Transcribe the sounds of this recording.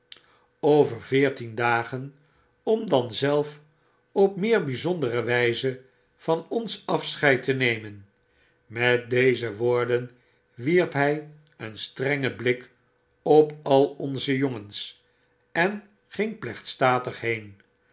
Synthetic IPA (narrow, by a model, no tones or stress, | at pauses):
owvəɹvɪːɹtindaːχən | ɔmdɑnzɛlˠf | ɔp̚mɪːɹbizɔndərəʋɛjzə | v̥ɑnɔnsɑfsχɛjtənejmən | mɛt̚dejzəʋoːɹdən | ʋiɹpɦɛj | ənstrɛŋəblɪk | ɔpɑlˠɔnzəjoŋəns | ʔɛn | χɪŋplɛχtstaːtəχɦejn